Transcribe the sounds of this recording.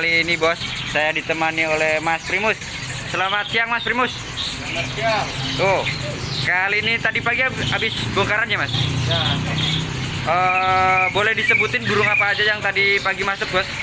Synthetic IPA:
aliːnibɔsː | ajadit̪əmaniolɛhmaspɾimʊsː | əlamat̪̚siaŋmaspɾimʊs | at̪o | səkaliːnit̪adipaɡiaabɪsboŋkaɾanɲamas | ʔə | bolɛhdisəbut̪ɪnɡuɾʊŋapaːd͡ʒajaŋt̪adipaɡimasʊk̚bɔs

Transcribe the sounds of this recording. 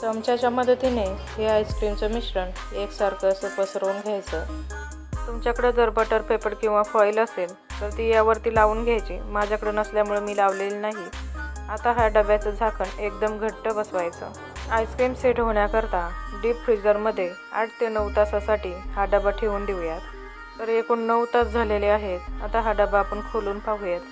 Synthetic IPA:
səmt͡ɕat͡ɕaməd̪ʱːt̪ineɦeajskɾimt͡səmiɕɾən | eksəɾkəsəpəsəɾoːnɡʱjajt͡sə | t̪umt͡ɕjakəɽəd͡zəɾpəʈəɾpepəɽkĩw̃ʋafɔjləsel | t̪əɾt̪iːjaʋəɾt̪iːlaʋuːnɡʱjajt͡ɕḭːmad͡ʑʱakəɽenəsljamuɭemiːlaʋlelnaɦiat̪aɦaɖəbat͡səd͡zʱakənekd̪əmɡʱəʈːəbəsʋajt͡sə̰ | ajskemseʈɦoɳjakəɾt̪aɖiːpfɾid͡zəɾməd̪ʱːje | a̰ʈʰt̪enəʋt̪asasaʈiːhaɖəbaʈʰeuːnɖiʋɭjat̪ː | əɾekuːɳːəʋt̪at͡sd͡zʱaleleaɦet̪a̰t̪aɦaɖəbaːpəɳkʰoluːnpaɡʱujet̪

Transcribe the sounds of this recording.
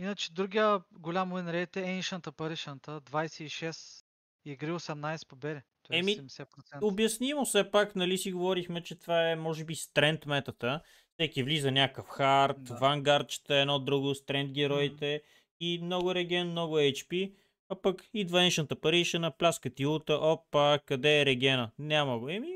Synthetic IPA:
inət͡ʃɛ̥d̪ɾuɡijəɡolʲamovɛnɾɛt̪ɛɛnʃənt̪əpɐɾiʃənt̪əd̪vajsɛiʃɛs | iɛɡɾiosɛmnajsɛ̥pobɛɾɛt̪ɔɛmisɛpɾot̪sɛobjɐsnimosɛpaknɐlisiɡovɔɾixmɛt͡ʃɛt̪vaɛmɔʒɛbist̪ɾɛnt̪mɛt̪ət̪ə | fsɛkivlizɐnʲakəfxaɾt̪vaŋɡaɾt͡ʃt̪əɛnɔd̪ɾuɡʊst̪ɾɛnd̪ɡʲɛɾɔit̪ɛ | imnɔɡʊɾɛɡɛnmnɔɡʊɛjt͡ʃpi | ɐpəkid̪vɐnɛʃnət̪əpɐɾiʃənɐplʲaskət̪ilt̪əʔɔpːakɐd̪ɛːɾɛɡʲɛnənʲaməɡoɛmi

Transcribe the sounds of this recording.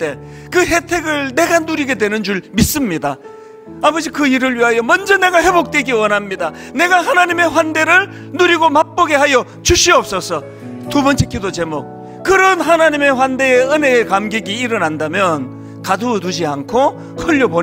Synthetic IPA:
t͈e̞ | kɯɦe̞tʰe̞ɡɯɭne̞ɡanuɾiɡe̞dwe̞nɯnd͡ʑuɭmis͈ɯmɲida | amɯd͡ʑikɯiɾɯɭɥiɦajʌmʌnd͡ʑʌne̞ɡahe̞bok̚t͈we̞ɡiwʌnɦamɲida | ne̞ɡaɦanaɲime̞ɸwande̞ɾɯɭ | nuɾiɡomak̚p͈oɡe̞ɦajʌ | t͡ɕuɕ͈ʰiʌp̚s͈ʌsʰʌ | tubʌnt͡ɕʰek͈idot͡ɕe̞mok̚ | kɯɾʌnɦanaɲime̞ɸwande̞eɯne̞ːkamɡeɡiːɾʌnandamjʌn | kadutud͡ʑiankʰo | hɯʎːʌbo

